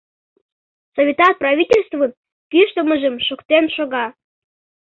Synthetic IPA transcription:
sovʲit̪ɑt̪̚prɑvʲitʲelʲst̪vən | kyʃt̪əməʒəmʃokt̪enʃoɣɑ

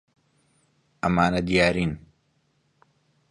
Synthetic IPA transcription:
ʔɐmaːnɐd̪ijaːɾiːn

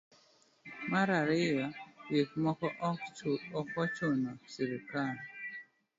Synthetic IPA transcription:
maɾaɾɪjajek̚mɔkɔ | ɔkɔt͡ʃonɔsiɾikal

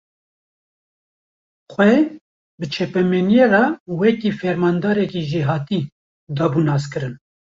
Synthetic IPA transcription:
xʷɛ | bɨt͡ʃʰɛpɛmenjerɑwɛkiːfɛɾmɑːnd̪ɑːɾɛkiʒiɦɑːt̪i | d̪ɑːbunɑːskɨɾɨn

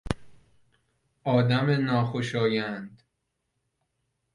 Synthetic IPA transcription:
ʔɒːd̪æmenɒːxoʃɒːjænd̪

